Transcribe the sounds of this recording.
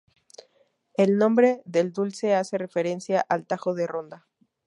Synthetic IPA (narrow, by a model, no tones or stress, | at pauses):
e̞lnõ̞mbɾeðe̞ld̪ulse̞ase̞re̞fe̞ɾe̞nsjaʔalt̪axo̞ðe̞ro̞nd̪a